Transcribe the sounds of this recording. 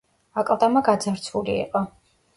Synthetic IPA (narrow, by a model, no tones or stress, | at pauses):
akʼlˠd̪amaɡad̪zaɾt̪sʰuliɛ̰qʼɔ